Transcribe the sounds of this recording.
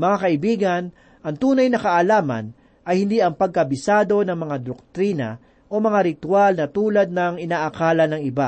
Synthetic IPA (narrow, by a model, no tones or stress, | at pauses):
mɐŋakɐʔɪbiːɡɐn | ʔɐŋt̪uːnɐjnɐkɐʔɐlaːmɐ̰n | ʔɐjhɪnd̪iːʔɐŋpɐɡ̚kɐbɪsaːd̪o̞nɐŋmɐŋad̪ok̚t̪ɾiːnɐ̰ | ʔo̞mɐŋaɾɪt̪walnɐt̪uːlɐd̪̚nɐŋɪnaːʔɐkaːlɐnɐŋɪba